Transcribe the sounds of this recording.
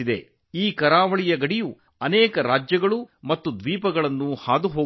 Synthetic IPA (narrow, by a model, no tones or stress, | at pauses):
id̪e̞̰ | iːkɐɾaːʋɐɭijɐɡɐɽiju | ɐnɛːkɐɾaːd͡ʒjɐɡɐɭumɐt̪ːud̪ʋiːpɐɡɐɭɐnːuhaːd̪uɦoː